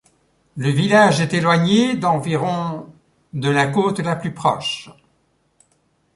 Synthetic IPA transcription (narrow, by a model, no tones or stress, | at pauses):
ləvilaʒɛt̪elwaɲed̪ɑ̃viʁɔ̃ | d̪əlakot̪laplypχɔʃ